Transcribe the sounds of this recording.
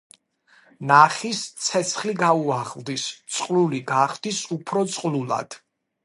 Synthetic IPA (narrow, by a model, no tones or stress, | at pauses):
naχist̪sʰɛt̪sʰχliɡauaʁld̪ist̪sʼqʼluliɡaχd̪isupʰɾɔt̪sʼqʼlulˠa̰d̪̥